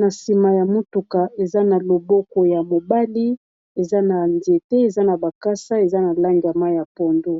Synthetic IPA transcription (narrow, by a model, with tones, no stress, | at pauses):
na˨si˨ma˨ja˨mo˦tu˨ka˨ʔe˨za˦na˨lo˨bɔ˦ko˨ja˨mo˨ba˦li˦ | e˨za˦na˨nde˨tɛ˦e˨za˦na˨ba˨ka˦sa˦e˨za˦na˨la˦ŋɡi˨a˨ma˦ja˨pɔ˨ndo˦